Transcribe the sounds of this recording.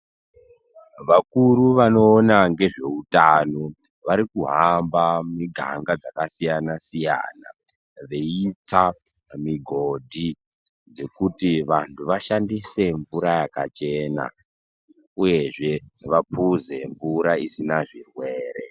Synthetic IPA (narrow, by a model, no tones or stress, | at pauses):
ʋakuɾuʋano̞ːnaŋɡe̞ʐe̞utano̞ | ʋaɾikuɦambamiɡʱa̰ŋɡad͡zakasijanasija̰na̰ | ʋeit͡sa | miɡʱo̞dʱi | d͡ze̞kutiʋantʰuʋaʃandise̞ɱvuɾajakat͡ʃe̞ːna̰ | uje̞ʐe̞ʋapuze̞ɱvuɾaisinaʐirwe̞ːɾe̞̰